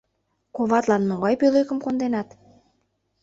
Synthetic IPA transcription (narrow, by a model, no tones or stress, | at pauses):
koβɑt̪lɑnmoɣɑjpølekəmkond̪enɑt̪